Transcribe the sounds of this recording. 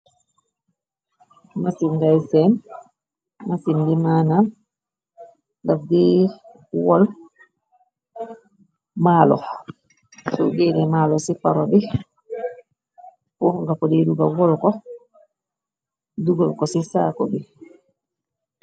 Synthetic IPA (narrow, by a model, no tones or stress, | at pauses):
masinɡajsɛn | masindimanan | lafdi | wɔl | maːlɔ̰ | sɔ̰ɡɛdɛmalɔsipaɾɔbi | pɔhŋɡakɔdɛduɡawɔlkɔ | duɡalkɔsisakɔbi